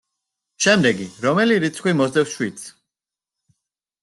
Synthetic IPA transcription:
ʃɛmd̪ɛɡiɾɔmɛliɾit̪sʰχwimɔzd̪ɛfsʃwit̪sʰ

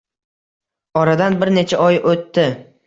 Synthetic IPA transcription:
ɒɾad̪anbɪɾne̞t͡ʃʰaʔɒjot̪ːɪ

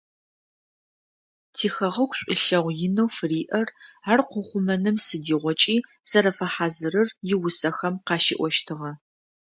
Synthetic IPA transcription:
tʰiːxɐʁɐkʷʰɕʷʼɪ̰ɬɐʁʷjɪnɐwfɨriːʔɐrarqʷʊχʷʊmɐnɨmsɨdiːʁʷɔt͡ʃʼiː | z̥ɐɾɐfɐħaːzɨrɨrjɪwʊsɐxɐmqɑːʃḭʔʷɔʃtʰɨʁɐ

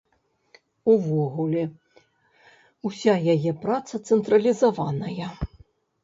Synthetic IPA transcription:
uvɔɣulʲɛ | usʲajajɛpɾat̪sɐt̪sɛnt̪ɾɐlʲizavanɐjɐ

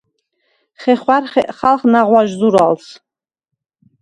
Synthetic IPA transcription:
χɛχwarχɛʔχalˠχnaʁwaʒzuɾals

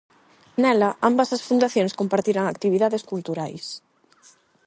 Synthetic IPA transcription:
nɛlaʔambɐsasfund̪aθjoŋskompaɾt̪iɾaŋak̚t̪iβiðaðeskult̪uɾajs

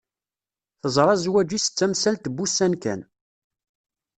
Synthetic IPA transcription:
θəzˤɾˤɑzwæd͡ʒisə̥t͡sːæmsælt̪əbːusːænkæ̰n

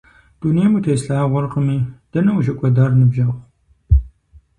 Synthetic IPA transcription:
d̥uneːmutʰeːsɬaːʁʷʊrqəmiːd̥ɐnɐwʒɐkʷʼɐdaːrnɨbʒɐχʷ

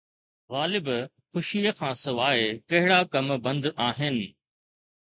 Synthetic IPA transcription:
ɣaːlɪb | xʊʃijəkʰãːsɐʋaːekɐɦɪɽakɐmbɐ̃nd̪aːɦɪnɪ̆

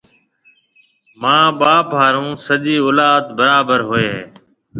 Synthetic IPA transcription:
mãːɓaːpaːɾũːsəʄiːoːlaːt̪bəɾaːbəɾɦoeːɦeː

